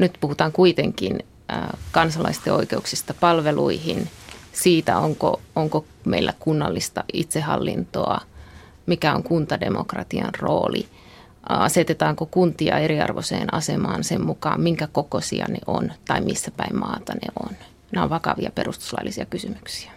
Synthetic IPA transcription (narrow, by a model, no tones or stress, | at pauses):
nyt̪puhut̪ɑːŋkuit̪eŋkinː | kɑnsɑlɑist̪eoikeuksist̪ɑpɑlʋeluihinsiːt̪æoŋkooŋko | meilːækunːɑlːist̪ɑʔit̪sehɑlːḭnt̪oɑ | mikæoŋkunt̪ɑdemokrɑt̪iɑ̰nroːli | ɑset̪et̪ɑːŋkokunt̪iɑ̰eɾiɑ̰rʋosḛːnɑsemɑːnsemmukɑːmmiŋkækokosiɑ̰neʔont̪ɑimʔisːæpæimmɑːt̪ɑnḛon | neo̰ʋʋɑkɑʋiɑperust̪u̥slɑilːisiɑkysymyksi̥æ̥